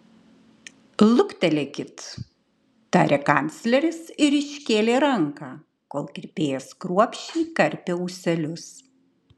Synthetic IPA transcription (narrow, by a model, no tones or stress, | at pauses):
lˠʊkt̪ʲɛlʲekʲɪt̪ | t̪ɑːɾʲekɐˑnʲt̪sʲlʲɛɾʲɪsɪɾɪʃʲkʲeːlʲeːɾɐŋkɑː | koːlˠkʲɪɾʲpʲeːjɛskɾuɔpʲʃʲiːkɐɾʲpʲeuːsʲɛlʲʊs